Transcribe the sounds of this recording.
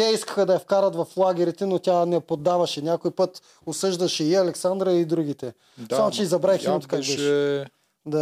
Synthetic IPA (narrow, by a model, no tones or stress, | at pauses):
ɛiskə̥xəd̪ɐjɐfkaɾɐt̪vɐflˠaɡʲɛɾit̪ɛnot̪ʲanɛpod̪ːavɐʃɛnʲakoipɤt̪ | ʊsɤʒd̪ɐʃɛiɐlɛksand̪ɾəid̪ɾuɡ̟it̪ɛ | samot͡ʃɛizɐbɾaxiot̪o̥kaɡbɛʃɛ | d̪a